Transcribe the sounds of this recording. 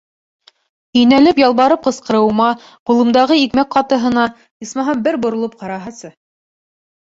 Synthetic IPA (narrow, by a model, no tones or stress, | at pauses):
ɵ̆nælɘpjɑlˠβɑɾɤp̚qɤ̆sqɤ̆ɾɤ̆wmɑ | qulˠɤ̆md̪ɑʁɤikmæk̚qɑt̪ɤ̆ɦɤ̆nɑ | ismɑɦɑmbɘɾbŏɾŏlˠɤp̚qɑɾɑɦɑsɤ